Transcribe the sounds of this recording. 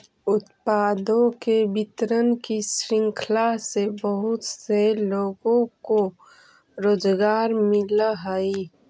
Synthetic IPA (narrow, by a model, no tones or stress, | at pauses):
ʊt̪paːd̪õkebɪt̪ɾənkisɾɪ̃ŋkʰlasebəɦʊt̪seloːɡõko | ɾoːd͡ʒɡaːɾmɪləɦəi